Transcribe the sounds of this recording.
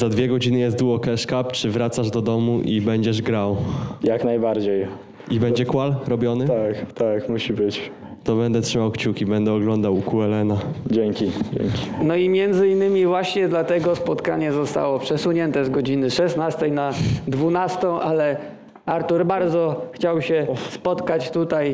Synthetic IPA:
zad̪vʲjɛɡɔd͡ʑinɘjɛst̪d̪uɔkɛʂkapt͡ʂɘvɾat̪saʐd̪ɔd̪ɔmuʔibɛɲd͡ʑɛʐɡɾawjaknajbaɾd͡ʑej | ibɛɲd͡ʑɛkwalɾɔbʲjɔnɘt̪akt̪akmuɕibɘt͡ɕ | t̪ɔbɛnd̪ɛtʂɘmawkt͡ɕukʲibɛnd̪ɛɔɡlɔnd̪awkuɛlɛnad͡ʑɛŋkʲid͡ʑɛ̰ŋkʲi̥nɔimʲjɛnd̪zɘinːɘmʲivwaɕɲɛd̪lat̪ɛɡɔspɔt̪ka̰ɲɛzɔst̪a̰wɔpʂɛsuɲɛnt̪ɛzɡɔd͡ʑinɘʂɛsnast̪ɛjnad̪vunast̪ɔ̃w̃ʔalɛ | aɾt̪uɾbaɾd̪zɔxt͡ɕawɕɛspɔt̪kat͡ɕt̪ut̪aj

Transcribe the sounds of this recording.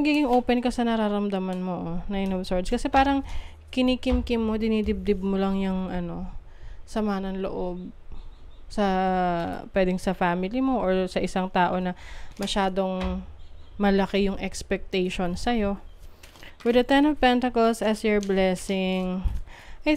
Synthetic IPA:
ɐɡiːɡɪŋʔoːpɛnkɐsɐnɐɾaɾɐmd̪amɐnmoʔonɐɪnobsoɹd̪skɐsɛpaːɾɐŋ | kɪnikɪmkɪmːo̞d̪ɪnid̪ɪb̚d̪ɪb̚molɐŋjʊŋʔɐno̞ | sɐmaːnɐŋlo̰ʔo̞b̚ | sɐ | pwɛːd̪ɪŋsɐfaːmɪlimo̞ʔoɹsɐʔɪsaŋt̪aːʔo̞nɐmɐʃaːd̪o̞ŋ | mɐlɐkɛjʊŋʔɛkspɛk̚t̪ɛjʃonsɐjo̞ | wɪd̪ɐt̪ɛnovpɛnt̪ɐkolsɐsjoɹblɛsɪŋ | ʔɐj

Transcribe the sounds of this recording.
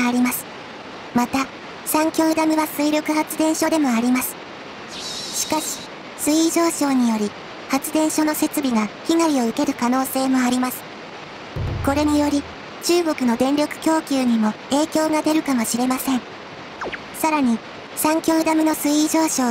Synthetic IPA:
aɾʲimasɨ̥ | mat̪a | sãŋkʲo̞ɯd̪amʲiβasɨiɾʲokɯ̟hat͡sɨd̪ẽ̞ɰ̃ɕo̞d̪e̞mo̞aɾʲimasɨ̥ | ɕi̥kaɕi̥ | sɨiʑo̞ːɕo̞ːɲ̟ijo̞ɾʲi | hat͡sɨd̪ẽ̞ɰ̃ɕo̞no̞se̞t͡sɨbʲiɡaçiŋaɾʲio̞ɯ̟ke̞ɾɯ̟kano̞ːse̞ːmo̞aɾʲimasɨ̥ | ko̞ɾe̞ɲ̟ijo̞ɾʲi | t͡ɕɨːɡo̞kɯ̟no̞d̪ẽ̞nɾʲo̞kɯ̟̥kʲo̞ːkʲɨːɲ̟imo̞ | e̞ːkʲo̞ːɡad̪e̞ɾɯ̟kamo̞ɕiɾe̞masẽ̞ŋ | saɾaɲ̟i | sãŋkʲo̞ːɯd̪amʲino̞sɨiʑo̞ːɕo̞ː

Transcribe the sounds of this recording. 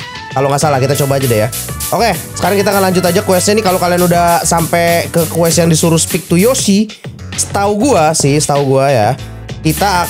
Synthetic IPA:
kaloŋasalahkit̪at͡ʃobaːd͡ʒadaja | ʔokesə̥kaɾaŋkit̪aːŋanlaɲd͡ʒʊt̪̬ad͡ʒakuwɛsɲanikalokalianudahsampɛkəkuɛsjaŋdisuɾʊspɪk̚t̪ujosi | sə̥t̪auɡuasɪhsə̥t̪auɡuaja | kit̪a

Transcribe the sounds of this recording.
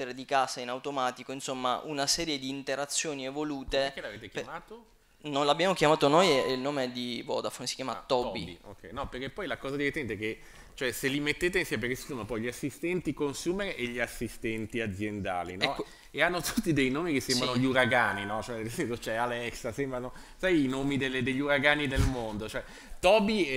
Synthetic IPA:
t̪eɾed̪ikaːsainawt̪omaːt̪ikoinsomːa̰ʔunasɛːɾjed̪iːnt̪eɾat̪sːjoːnievoluːt̪ekːelaveːt̪ekjmaːt̪o | nolabːjaːmokjamaːt̪onojɛilnoːmeɛd̪ivɔ̰d̪afonsi̥kjaːmat̪ɔbbḭbḭo̰kːɛ̰jnɔperk̟epːɔjlakɔːzad̪iet̪ːɛnt̪eke | t͡ʃoɛselːimet̪ːeːt̪einsɛmepeɾkesisoːmapɔjʎiasːist̪ɛnt̪ikonsuːmeɾeʔeʎiasːist̪ɛnt̪iad̪zjend̪a̰ːlḭnɔ | eanːot̪ut̪ːid̪ejnoːmikesːɛmbɾanoʎiuɾaɡaːninɔt͡ʃoɛd̪ezɛnsot͡ʃoɛalɛksasɛmbɾano | sajinoːmid̪eled̪eʎːuɾaɡaːnid̪elmond̪ot͡ʃoɛ | t̪ɔbi

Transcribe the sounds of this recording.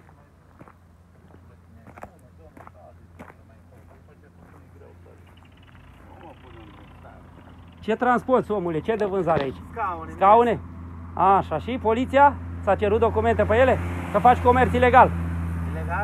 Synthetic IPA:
t͡ʃe̞t̪ɾansport̪somulet͡ʃed̪evɨnzaɾeait͡ʃʲskaune̞aʃaʃipo̞lit̪sijasat͡ʃeɾut̪̚d̪okume̞nt̪e̞peje̞le̞kəfat͡ʃʲko̞me̞rt̪sile̞ɡal

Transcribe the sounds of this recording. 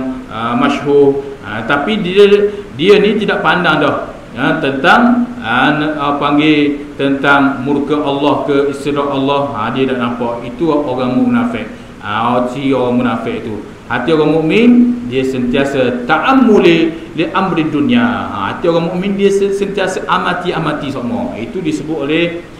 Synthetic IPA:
əmaʃɦʊat̪apidiədiənĩt̪idaʔpandaŋdɔh | ət̪ənt̪aŋənpaŋɡet̪ənt̪aŋmurkaʔalːɔhkəist̪iɾɔʔalːɔha̰diədaʔnampaʔit̪uoɣaŋmumunafɪʔ̚ | a̰osioɣaŋmunafɪʔit̪u | hat̪ioɣaŋmuʔmɪndiəsənt̪iasət̪aʔamːuleleʔambəɾidunia̰ha̰t̪ioɣaŋmuʔmindiəssənt̪iasaʔamat̪iamat̪isɔʔmɔ̰ḭt̪udisəbʊt̪ʔolɛh

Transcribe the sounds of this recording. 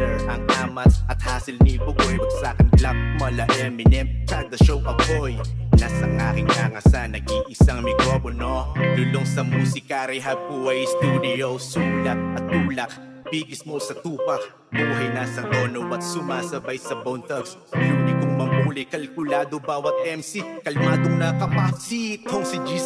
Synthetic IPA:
ɛɐŋʔaːmɐt̪ɐt̪̚haːsɪlnibʊɡojpɐɡ̪saːkɐnklak̚mɐlɐʔɛmɪnɛmkand̪ɐʃowʔɐpojnasɐŋʔaːkɪŋʔaŋɐsanɐɡiʔɪsaŋmɪkɾoponolʊloŋsɐmuːsɪkaɾiɦɐb̚kuwɐjst̪uːd̪ɪowsulɐk̚ʔɐt̪̚ːuːlɐk̚ | b̥iːɡɪsmosɐt̪uːpɐk | buːɦɐjnasɐɡoːnowɐt̪̚sʊmaːsɐbajsɐbɐwnt̪ɐks | ʊd̪ɪkʊŋmɐmʔuːlɪkɐlkʊlaːd̪obaːwɐt̪̚ʔɛmsikɐlmaːd̪oŋnɐkɐpasikʰoŋsɪd͡ʒi

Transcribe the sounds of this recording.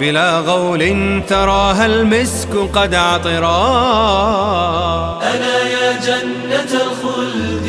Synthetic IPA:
bɪlaːɣɑwlʔɪnt̪ɑɾˤɑːɦalmɪskʊqɑd̪ʕɑt̪ˤɨɾˤɑː | ʔanaːjaːd͡ʒanːaɣʊl

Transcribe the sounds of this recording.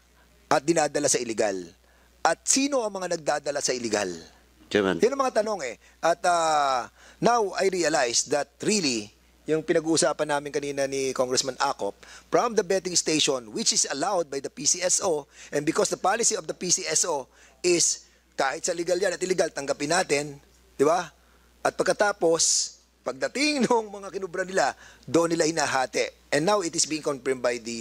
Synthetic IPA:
ʔɐt̪̚d̪ɪnaːd̪ɐlasɐʔɪlɪɡa̰l | ʔɐt̪̚siːno̞ʔɐŋmɐŋanɐɡ̚d̪aːd̪ɐlasɐʔɪlɪɡa̰l̰ | jʊnɐŋmɐŋat̪ɐno̞ŋɛ | ʔɐt̪ɐ | nawɐjɹiɐlajsd̪ɐt̪̚ɹili | jʊŋpɪnɐɡuːʔʊsaːpɐnːaːmɪnkɐniːnɐnikoŋɡɾɛsmɐnʔa̰ːkop̚ːɹɔmd̪ɐbɛt̪ɪŋst̪ejʃonwɪt͡ʃɪsɐlawd̪̚bɐjd̪ɐpisiʔɛsʔoʔɛnbɪkɔsd̪ɐpalɪsiovd̪ɐpisiʔɛsʔo | ʔɪs | kaːhɪt̪sɐlɪɡaljanɐt̪ɪlɛɡalt̪ɐŋɡapɪnːaːt̪ɛn | d̪̥ɪba | ʔɐt̪̚pɐɡkɐt̪aːpo̞s | pɐɡ̚d̪ɐt̪ɪŋnʊŋmɐŋakɪnʊbɾɐnɪlad̪oʔnːɪlahɪnaːɦaːt̪ɛʔɛ̃nd̪ːawɪt̪ɪsbiːɪ̃ŋkonpɛɹmbajd̪i

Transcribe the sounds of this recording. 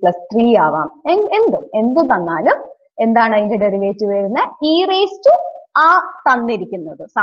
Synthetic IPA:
pɭɐst̪riːaːʋa̰ːmeend̪ume̞nd̪ut̪ɐnːaːlum | e̞nd̪aːɳɐðindeɽeɾiʋeːtːɨʋɐɾunːɐiːreːstɨaːt̪ɐnːiɾikʲːunːɐðɨsɐ

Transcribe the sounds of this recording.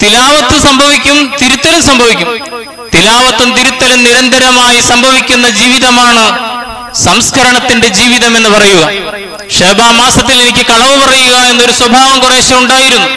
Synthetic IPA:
t̪ilaːʋɐt̪ːɨsɐmbʱɐʋikʲːumt̪iɾut̪ːɐlumsɐmbʱɐʋikʲːum | t̪ilaːʋɐt̪ːumt̪iɾut̪ːɐlumniɾɐnd̪ʱɐɾɐmaːjisɐmbʱɐʋikʲːunːɐd͡ʑiːʋiðɐmaːɳɨ | sɐmskʰɐɾɐɳɐt̪ːinɖe̞d͡ʑiːʋiðɐme̞nːɨpɐrɐjuɣɐ | ʂeːbaːmaːsɐt̪ːile̞nikʲːɨkɐɭɐʋɨpɐrɐjuɣɐe̞nːo̞ɾuswɐbʱaːʋɐŋkure̞ːɕɐmuɳɖaːjiɾunːu

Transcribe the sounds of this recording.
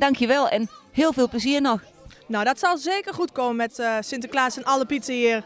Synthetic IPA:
dɑŋkʰjəʋɛlˠɛ̰nhɪːlˠvɪːlˠpləziərnɔx | nowdɔtsɔlˠzeːkərxutkoːənmɛtsɪntəklaːsənɔləpitsəiər

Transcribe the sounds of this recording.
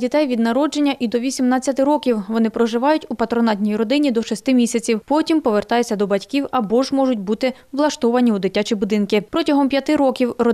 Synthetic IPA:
dʲit̪ɛjʋʲid̪nɐɾɔd͡ʒe̞nʲːɐʔid̪ɔʋʲisʲimnɑt͡sʲːɐt̪ɪɾɔkʲiwʋɔnɪpɾɔʒɪʋɑjʊtʲupɐt̪ɾɔnɑt̪̬ʲnʲijɾɔd̪ɪnʲid̪ɔʃɔsʲt̪ɪmʲisʲɐt͡sʲiwpɔtʲimpɔʋert̪ɑjet͡sʲːɐd̪ɔbɐtʲkʲiwɐbɔʒmɔʒʊtʲbut̪ɪ | ʋlˠɐʃt̪ɔʋɐnʲiud̪ɪtʲːat͡ʃibʊd̪ɪnkɪpɾɔtʲɐɦɔmpʲjɐt̪ɪɾɔkʲiwrɔ

